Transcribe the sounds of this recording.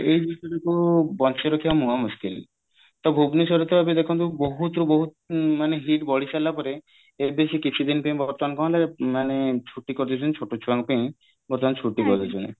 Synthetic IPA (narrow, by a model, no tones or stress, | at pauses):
ejbiʃɔɾekubɔnt͡ʃeɾokʰibamuɦamuskil | t̪ɔbʱubnisɔɾɔt̪ɔbabed̪ekʰɔnt̪uboɦut̪ɾubɔɦu | maneɦiʈbɔɽisalapɔɾe | ebesikit͡ʃʰid̪inpẽj̃bʱɔɾt̪ɔmankɔɦɔ̃laɾemanet͡ʃʰuʈːikɔɾt̪ʰit͡ʃʰunt͡ʃʰoʈot͡ʃʰuaŋpẽj̃ | bɔɾt̪ɔmant͡ʃʰuʈːikɔɾd̪ʰit͡ʃʰunḛ